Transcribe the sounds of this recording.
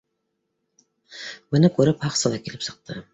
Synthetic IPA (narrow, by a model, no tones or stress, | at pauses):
mɪnɪkʲʰɵɾɪphɑqsɨlˠɑkʲʰelɪpsə̥q̚t̪ʰɨ